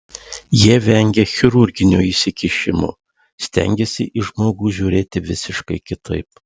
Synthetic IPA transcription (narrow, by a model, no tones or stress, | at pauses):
jiɛʋʲɛŋʲɡʲexʲɪɾʊɾʲɡʲɪnʲuːiːsʲɪkʲɪʃʲɪmʊ̰ː | sʲt̪ʲɛ̰ŋʲɡʲɛsʲɪʔɪʒmoːɡuːʒʲuːɾʲeːt̪ʲɪʋʲɪsʲɪʃkɐɪkʲɪt̪ɐ̰ɪp